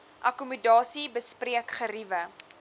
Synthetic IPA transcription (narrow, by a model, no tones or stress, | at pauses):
ʔɐkumudɑːsibəspriəkχəɾivə